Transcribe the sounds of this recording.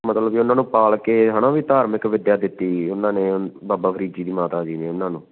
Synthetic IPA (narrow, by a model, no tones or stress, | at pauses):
mət̪ləbiːʊnãːnũːpaːlkeːɦənãːʋiːt̪aːɾmɪkʋɪd̪jaːd̪ɪt̪ːiːʊnãːnẽːbaːbaːpʰəɾiːd͡ʒiːd̪iːmaːt̪aːd͡ʒiːneːʊnːãːnũː